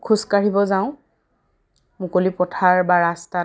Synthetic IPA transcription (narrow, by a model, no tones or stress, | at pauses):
kʰuskaɹibɔzaʊ̃ | mukolipɔtʰaɹbaɹasta